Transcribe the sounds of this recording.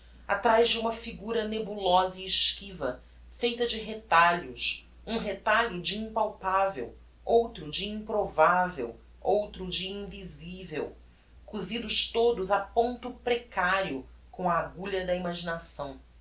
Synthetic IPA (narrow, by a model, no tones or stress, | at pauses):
a̰t̪ɾajzd͡ʒɪũmɐfiɡuɾɐnebulɔzɐːʃkivɐ̰ | fejt̪ɐd͡ʒɪɦet̪aʎʊs | ũɦet̪aʎʊd͡ʒɪĩmpawpavḛw | owt̪ɾʊd͡ʒiĩpɾovavḛw | owt̪ɾʊd͡ʒiĩvizivew | kuzid̪ʊʃt̪od̪ʊzapõnt̪ʊpɾekaɾiʊ | kõɐːɡuʎɐd̪ɐimaʒinasɐ̃w̃